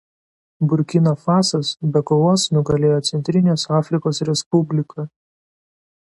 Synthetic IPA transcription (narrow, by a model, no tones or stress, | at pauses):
bʊɾʲkʲɪnoːfɑːsɐsbʲɛkoʋoːsnʊɡɐlʲeːjoːt̪sʲɛnʲt̪ʲɾʲɪnʲeːsɑːfʲɾʲɪkoːsɾʲɛspʊbʲlʲɪkʰɐ